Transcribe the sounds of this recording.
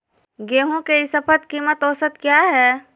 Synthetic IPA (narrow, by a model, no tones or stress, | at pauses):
ɡeːɦõkeɪsəpʰət̪̚kiːmət̪oːsət̪kjaːɦɛː